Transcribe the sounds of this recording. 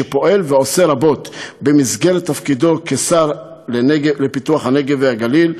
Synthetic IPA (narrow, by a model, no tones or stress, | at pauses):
epo̞ʔe̞lveo̞se̞ɾabo̞t̪bemizɡelet̪ːafkid̪o̞kesaɾ | leneɡelepit̪uaχhane̞ɡeveaɡalil